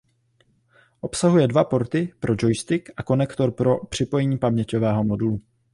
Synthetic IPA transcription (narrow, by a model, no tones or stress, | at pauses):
ʔo̞psaɦujɛdvapo̞ɾt̪ɪpɾʔo̞d͡ʒo̞jst̪ɪkʔako̞nɛkt̪o̞ɾpɾo̞pr̝̥ɪpo̞jɛɲiːpamɲɛco̞vɛːɦo̞mo̞dulu